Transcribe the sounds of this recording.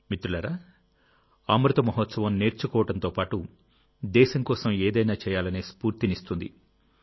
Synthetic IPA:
mit̪ɾulɐɾa | aːmɾɐt̪ɐmɐɦɐt̪sɐʋɐmne̞ːɾt͡ʃukɔːʋɐʈɐnt̪oːpaːʈu | d̪ɛːʃɐŋkɔːsɐmeːd̪ɐjnaːt͡ʃɛːjaːlɐneːspuːɾt̪inist̪und̪i

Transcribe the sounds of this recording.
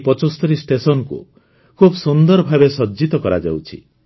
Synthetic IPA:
pɔt͡ʃɔst̪ɔɾisʈesɔnkṵ | kʰubɔsund̪ɔɾɔbʱabesɔd͡ʒit̪ɔkɔɾad͡ʒa̰wt͡ʃʰḭ

